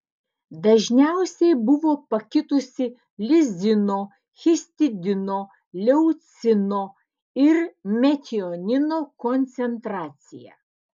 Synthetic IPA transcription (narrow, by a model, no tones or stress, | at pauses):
d̪ɐʒʲnʲæˑʊsʲɛɪbʊʋoːpɐkʲɪt̪ʊsʲɪ | lʲɪzʲɪnoː | xʲɪsʲt̪ʲɪd̪ʲɪnoː | lʲɛʊt̪sʲɪnoː | ɪɾmʲɛt̪ʲɪonʲɪnoːkɔnʲt̪sʲɛnt̪ɾɑːt̪sʲɪjæ̰